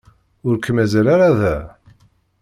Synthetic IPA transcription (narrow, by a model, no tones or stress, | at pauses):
ʊɾkːmæzælaɾaðæ